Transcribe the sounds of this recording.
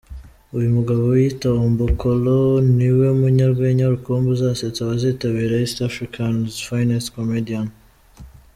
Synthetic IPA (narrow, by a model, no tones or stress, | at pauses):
ujumuɡaβo̞witaombokʰoloniwe̞muɲaɾɡweɲaɾukuːmbuzaset͡saβaziːtaβiːɾaistafɾikʰanzfajnaskomedian